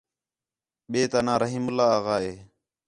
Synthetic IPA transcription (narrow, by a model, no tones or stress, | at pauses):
ɓeːt̪anãːɾəɦiːmʊlːaːaːɣaːeː